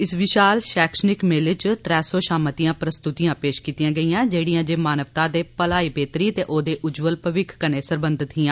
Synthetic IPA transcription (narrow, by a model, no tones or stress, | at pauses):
ɪsʋɪʃaːlʃɛːkʃənɪkmeːlɪt͡ʃt̪ɾɛːsoːʃaːmət̪ijãːpɾəst̪ʊt̪ijãːpeːʃkiːt̪ijãːɡəiːãːd͡ʒeːɽijãːd͡ʒeːmaːnəʋt̪ãːd̪eːpəlaːiːbeːt̪ɾiːt̪eːʔoːd̪eːʔʊd͡ʒʋəlpəʋɪkʰkəneːsəɾbə̃nd̪ʱɪt̪ɦiːãː